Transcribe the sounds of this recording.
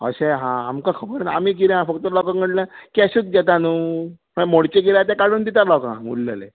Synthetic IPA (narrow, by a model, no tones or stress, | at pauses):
ə̰ɕẽɦãamkãkʰəbəɾnaa̰miːkiɾẽɦãfək̚t̪əlɔkãŋkməʈlãkaɕuːt͡s̪̚ɡɛt̪anuː | məmoɽt͡ɕekiɾat̪ãkaɽ̤uːnd̪it̪aɾlɔkã̰mṵlːə̰lḛ